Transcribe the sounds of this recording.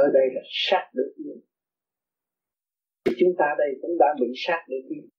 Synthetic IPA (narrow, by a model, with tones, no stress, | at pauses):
əː˧˨˩ɗə˧jlaː˨˩saː˦˥t̚ɗɨ̰˨˧˩ək̚ʔi˧ə | t̪ʰi˨˩t͡ɕʊ˨˦ŋ͡mt̪aː˧ɗə˧jkʊ̰˧˥ŋ͡mɗa̰ː˧˥ɓḭ˧˨saː˦˥t̚ɗe˧˦nɗi˧n